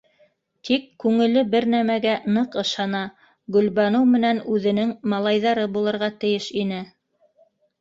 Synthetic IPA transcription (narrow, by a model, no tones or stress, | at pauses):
t̪ʰikːʉŋɘ̆lɘbɘɾnæmæɡænɤqɤ̆ʃɑnɑ | ɡɵ̆lβɑnɤwmɘ̆nænʉðɘ̆nɘŋmɑlˠɑjðɑɾɤbulˠɤ̆ɾʁɑt̪ɘ̆jɘʃinɘ